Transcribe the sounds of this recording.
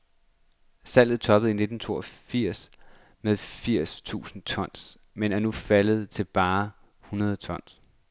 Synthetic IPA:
sæl̰ð̩ˠt͡sʰɒ̽b̥əð̩ˠine̝d̥n̩t͡sʰo̝̰ːɒfiɐ̰s | meðˠfiɐ̰st͡sʰṵːsn̩t͡sʰɒ̽n̰s | menæɐnufæləð̞̩ˠt͡sʰe̝lb̥ɑ̈ː | hunɐð̞̩ˠt͡sʰɒ̽n̰s

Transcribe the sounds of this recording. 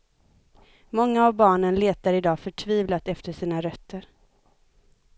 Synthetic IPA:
mɔŋːaːvbɑːɳənleːt̪aɾɪd̪ɑːfœʈʰviːvlat̪ɛft̪əʂiːnaɾœt̪ːəɾ

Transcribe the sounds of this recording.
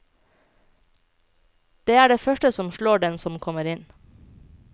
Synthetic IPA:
d̪̥eːæːɖeːfœʃʈəsɔmʃɭoːɖɛnsɔmkʰɔməɾɪn

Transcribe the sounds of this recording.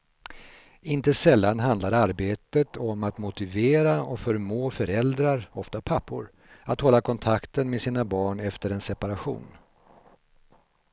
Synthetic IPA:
ɪnt̪əsɛlːanɦand̪laɾaɾbeːt̪ət̪ʰɔmat̪mʊt̪ɪveːɾaɔfœɾmoːfœɾɛld̪ɾaɾɔft̪apʰapʰːʊ̰ɾ | at̪hɔlːakʰɔnt̪ʰakt̪ənmesiːnabɑːɳɛft̪əɾɛnsɛpaɾaɧṵːn

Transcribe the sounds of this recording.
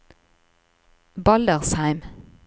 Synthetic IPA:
bɑld̪əʁshæɪm

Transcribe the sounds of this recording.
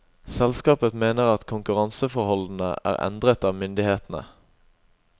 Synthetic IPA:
sɛlskɑːpəmeːnəʁɑt̪kʰʊŋkʉʁɑnsəfɔʁhɔln̩ə̰ʔæ̰ːʁɛ̰nd̪ʁət̪ɑːʋmʏnd̪ɪheːt̪n̩ə̰

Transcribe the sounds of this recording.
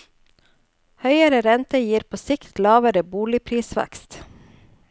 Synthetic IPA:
hœʏəɾəɾɛnt̪əjiːɾpʰoːsɪkt̪lɑːʋəɾəbuːlɪpʰɾiːsʋæ̰kst̪

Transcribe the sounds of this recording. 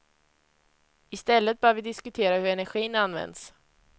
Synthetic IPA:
ɪst̪ɛlːət̪̚bœːɾvɪd̪ɪskɵt̪ʰeːɾahɵɾɛnæɾɧiːnanːvɛ̰nd̪s

